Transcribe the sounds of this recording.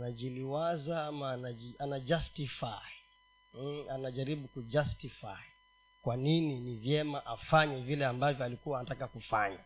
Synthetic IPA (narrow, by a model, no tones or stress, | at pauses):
naʄiliwazaamanaianad͡ʒastifaj̩ | anaʄaɾiɓukud͡ʒastifa̰ji | kwanininivjɛmaʔafaɲɛvilɛambavjɔalikuwaːnatakakufaɲa̰